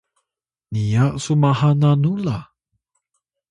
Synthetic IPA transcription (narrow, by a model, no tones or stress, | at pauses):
nijasumahananula